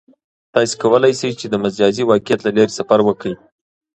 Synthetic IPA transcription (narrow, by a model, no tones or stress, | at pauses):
t̪ɑse̥kawəlajsəjt͡ʃed̪əmazjɑziwɑkijat̪lalaɾisafaɾwəkəj